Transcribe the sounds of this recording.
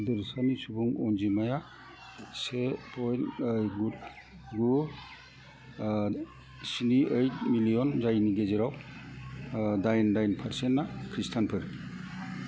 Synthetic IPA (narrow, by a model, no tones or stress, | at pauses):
dɯɾsanisubuŋɔnd͡ʒimaja | sepʰɔjnjɡut | ɡu | siniʔɯjtmilijɔnzajniɡezeɾaw | dajndajnpʰaɾsennːakʰɾistʰanpʰɯɾ